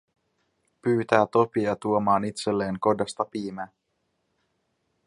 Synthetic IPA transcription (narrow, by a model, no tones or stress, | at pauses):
pyːt̪æːt̪o̞piɑt̪uomɑːnit̪se̞lːe̞ːŋko̞dɑst̪ɑpiːmæː